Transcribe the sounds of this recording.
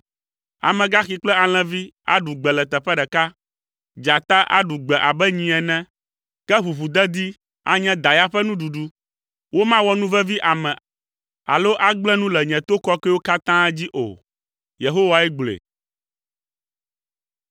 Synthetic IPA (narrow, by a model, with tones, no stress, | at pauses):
a̰˨mɛ̃˨ɡa˦xi˨k͡plɛ˦a˨l̃ɛ̃˨vi˦a̰˦ɖu˨ɡ͡bɛ˨lɛ˨t̪ɛ˨ɸɛ˦ɖɛ˨ka˦ | d͡ʒa˨t̪a˦ʔa̰˦ɖu˨ɡ͡bɛ˨ʔa˨bɛ˦ɲĩ˨ɛ˨nɛ̃˦ | kɛ˦βu˨ɸu˨d̪ɛ˦d̪i˦ | a̰˦ɲɛ̃˦d̪a˨ja˦ɸɛ˦nũ˦ɖu˨ɖu˦ | wo˦mã˦wɔ˦nũ˦vɛ˦vi˦ʔa˨mɛ̃˨ | a̰˨lo˦ʔa˦ɡ͡blɛ̃˦nũ˦lɛ˨ɲɛ̃˨t̪o˦kɔ˦kɛ˦wo˦ka˦t̪ã˦d͡ʑi˦ʔo̰˨ | je˨ɦo˦wa˦ɛ˦ɡ͡blḛ˨